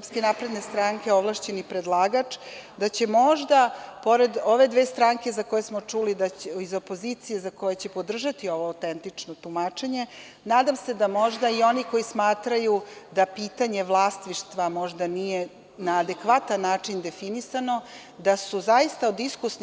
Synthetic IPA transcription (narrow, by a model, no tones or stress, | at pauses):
spske̞napɾe̞d̪ne̞st̪ɾaŋke̞oʋlˠaʃt͡ɕe̞nipɾed̪lˠaːɡat͡ʂd̪at͡ɕe̞mo̞ʒd̪apo̞ɾe̞d̪o̞ʋe̞d̪ʋe̞ːst̪ɾaŋke̞zako̞jesmo̞t͡ʂulid̪aizo̞po̞zit̪sijezako̞jet͡ɕe̞po̞d̪r̩ʒat̪io̞ʋo̞awt̪ent̪it͡ʂnot̪umat͡ʃe̞ɲe̞ | naːd̪amse̞d̪amo̞ʒd̪aio̞niko̞ismaːt̪ɾajud̪apiːt̪aɲe̞ʋlˠast̪ʋiʃt̪ʋamo̞ʒd̪anije̞ | naːd̪e̞kʋat̪anːaːt͡ʂind̪e̞finisano̞ | d̪asuzaist̪aod̪iskuɾsn